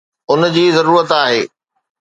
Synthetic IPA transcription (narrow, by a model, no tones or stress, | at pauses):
ʊnd͡ʑiːzɐɾuːɾət̪aːɦeː